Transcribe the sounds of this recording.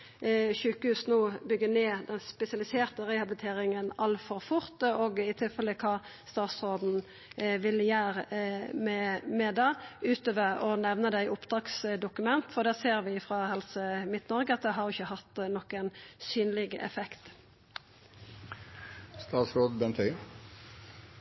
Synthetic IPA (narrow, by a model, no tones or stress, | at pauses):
çʉːkəhʉːsnoːbʏɡːəneːd̪ɛnspɛsɪɑlɪseːʁt̪əʁɛhɑblɪt̪ʰeːʁɪŋənɑlfɔʁfʊʁt̪oːɡɪt̪ʰɪlfɛləkʰɑːst̪ɑːt̪sʁoːd̪n̩ | ʋɪljæːʁmɛmɛd̪eʉːt̪øːʋəʁɔnɛʋnəd̪æɪʔʊpd̪ʁɑːksd̪ʊkʉmɛnt̪fɔʁd̪æːʁseːʁʋɪfʁɑhɛlsəmɪt̪nɔʁɡəɑt̪̚d̪ɛɦɑɾjʊɪçːəhɑt̪ːnɔkənsyːnlɪɡɛ̰fɛkt̪ | st̪ɑːt̪sɾoːd̪bɛnt̪ʰœʏ